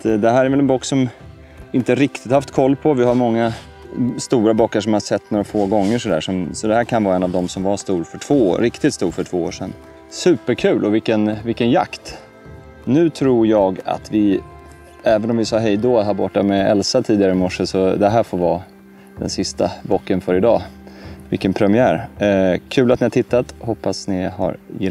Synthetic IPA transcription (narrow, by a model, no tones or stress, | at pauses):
t̪d̪ɛɦæːɾɛɾvɛlɛnbuːkːsɔm | ɪnt̪əɾɪkt̪ɪt̪haft̪kʰɔlːpʰɔvɪhaɾmɔŋːa | st̪uːɾabɔkːaʂɔmaasɛt̪ːnoːɾafoːɡɔŋːəʂɔd̪æ̰ːʂɔmsɔd̪ɛhæːɾkʰanvɑːɾaɛnːavd̪ɔmsɔmvaʂt̪uːɾfœʈʰv̥o̰ːɾɪkt̪ɪt̪st̪uːɾfœʈʰv̥oːo̰ːʂɛnː | sʉ̟ːpəɾkʰʉ̟ːlʔɔvɪkːənvɪlkːənja̰kt̪ | nʉ̟ːt̪ʰɾuːɾjɑːɡa̰t̪vɪ | ɛːvənɔmvɪsɑːɦɛjd̪oːat̪ɦaːɾbɔʈːamɛɛlsat̪ʰiːd̪ɪaɾəɪmɔʂːəsɔd̪ɛɦæːɾfoːɾvɑː | d̪ɛ̰nsɪst̪abɔkːənfœɾɪd̪ɑ̰ːvɪ̰lkːənpʰɾɛmɪæːɾkʰʉ̟ːlat̪nɪhaʈ̪ʰɪt̪ːat̪hɔpːasnɪha̰ɾjɪ̰